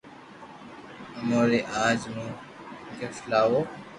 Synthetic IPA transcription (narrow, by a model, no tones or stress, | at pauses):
əmoːɾeːʔaːd͡ʒmũː | ɡəflaːʋoː